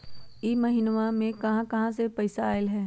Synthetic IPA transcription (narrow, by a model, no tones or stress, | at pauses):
iːmɐɦɪnʋamẽkɐɦãkɐɦãsepɐɪsaːɪlɦɛː